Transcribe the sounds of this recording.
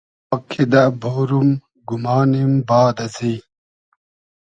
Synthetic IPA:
kʰːid̪aboːɾum | ɡumɑːnimbɑːd̪ɐsi

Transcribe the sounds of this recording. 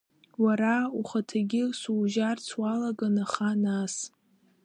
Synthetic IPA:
waɾauχatʰaɡʲɪsuːʒart͡sʰwalaɡanaχanas

